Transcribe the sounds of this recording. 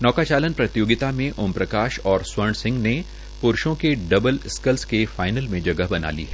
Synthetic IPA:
nɔːkaːt͡ʃaːlənpɾɐt̪joːɡɪt̪amẽʔʊmpɾəkaːʃɔːɾswɐɾɳ̃sɪ̃ŋɡne | pʊɾʃõkeɖɐbəlɪskəlskefaːɪnəlmẽd͡ʒɐɡəɦbɐna̰ːlḭɦɛː

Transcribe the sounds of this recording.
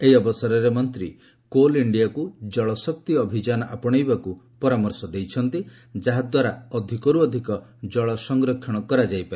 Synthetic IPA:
ejɔbɔsɔɾɔɾemɔnt̪ɾi | koliɳɖijakud͡ʒɔɭɔsɔk̚t̪iɔbʱid͡ʒanɔʔapɔɽ̃ɔjbakupɔɾamɔɾsɔd̪ejt͡ʃʰɔnt̪i | d͡ʒaɦad̪waɾaɔd̪ʱikɔɾuɔd̪ʱikɔd͡ʒɔɭɔsɔŋɡɾɔkʰːjɔɽ̃ɔkɔɾad͡ʒajpai

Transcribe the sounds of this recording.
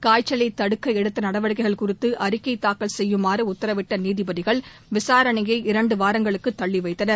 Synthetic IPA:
kaːjt͡ʃːɐlɐɪt̪ːɐɽɯkːɐɛɽɯt̪ːɐnɐɽɐʋɐɻɯkɐɪɣɐɭkʊrɪt̪ːɯʔɐɾɪkːɐɪt̪ːaːkːɐɭsɛjːɯmaːrɯʊt̪ːɐɾɐʋɪʈːɐniːðɪbɐðɪɣɐɭ | ʋɪsaːɾɐɳɪjɐɪɪɾɐɳɖɯʋaːɾɐŋɡɐɭɯkːɯt̪ːɐɭːiʋɐɪt̪ːɐnɐɾ

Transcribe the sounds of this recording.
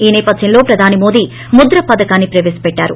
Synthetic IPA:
iːnɛːpɐd̪ʱjɐnlo̞ːpɾɐd̪ʱaːnimo̞ːd̪i | mud̪ɾɐpɐd̪ɐkaːnːipɾɐʋeːsi̥pɛʈːaːɾu

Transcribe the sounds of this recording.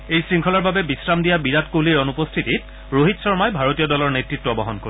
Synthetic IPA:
ejsɹiŋkʰɔlaɹbabɛbisɹamdijabiɹatkoliɹɔnupɔstʰitit̚ | ɹoɦitsɔɹmajbʱaɹotijɔdɔlɔɹnetɹitːɔbɔɦɔnkoɹɛ

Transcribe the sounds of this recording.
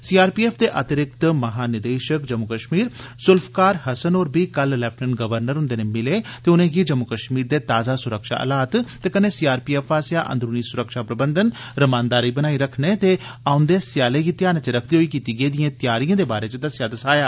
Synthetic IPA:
siːaːɾpiːɛːpʰd̪eːʔət̪ɾɪk̚t̪məɦaːnɪd̪eːʃəkd͡ʒəmːʊkəʃmiːɾsʊlfʰkaːɾhəsənoːɾbiːkəllɛːpʰnənɡəʋəɾnəɾʊnd̪eːneːmɪleːt̪eːʊnẽːɡid͡ʒəmːʊkəʃmiːɾd̪eːt̪aːzaːsʊɾəkʃa̰ːʔə̰laːt̪t̪eːkəneːsiːaːɾpiːɛːfʰaːsjaːʔə̰̃nd̪ɾuːniːsʊɾəkʃaːpɾəbənd̪ənɾəmãːnd̪aːɾiːbənaːiːɾəkʰneːt̪eːaːʊnd̪eːsɪjaːleːɡiːt̪ɪjaːnẽːt͡ʃəɾəkʰd̪eːɦoːiːkiːt̪iːɡəeːd̪ɪjãːt̪ɪjaːɾijãːd̪eːbaːɾeːt͡ʃəd̪əsjaːd̪əsaːjaː

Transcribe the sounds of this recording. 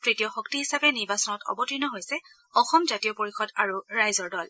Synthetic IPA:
tɹitijɔxɔktiɦisapɛniɹbasɔnɔtɔ̰bɔtɹinɔɦojsɛ | ɔxɔmzatijɔpoɹixɔdaɹuɹajzɔɹdɔl

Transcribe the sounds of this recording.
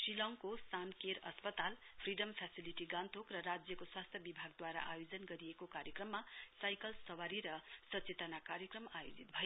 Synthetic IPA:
silʌŋkosankeɾʌ̰spʌt̪alpʰriɖʌmpʰasiliʈiɡãnt̪ʰokrʌɾad͡zjʌkoswast̪ʰjʌbibʱaɡd̪waɾa̰ʔajod͡zʌnɡʌɾijekokaɾjʌkrʌmːasajkʌlsʌwaɾiɾʌsʌt͡set̪ʌnakaɾjʌkrʌmajod͡zit̪̚bʱʌj

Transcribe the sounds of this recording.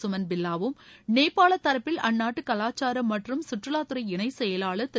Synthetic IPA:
sʊmɐnbɪlːaːʋɯmneːpːaːɭɐt̪ːɐɾɐpːɪlɐɳːaːʈːɯkɐlaːt͡ʃːaːɾɐmːɐʈrɯmsɪʈrɯlaːt̪ɯɾɐɪɪɳɐɪsɛjɐlaːɭɐt̪

